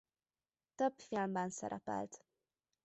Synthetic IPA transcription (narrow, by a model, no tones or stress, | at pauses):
t̪øbfilmbɛnsɛ̰ɾʔɛpɛ̰lt̪